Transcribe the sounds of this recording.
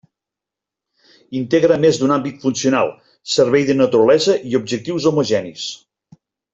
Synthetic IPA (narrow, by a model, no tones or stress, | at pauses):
int̪eɣɾəmezd̪unambit̪funsiuna̰lˠ | səɾβɛjðənət̪uɾəlɛzəʔiub̚ʒək̚t̪iwzomoʒɛnis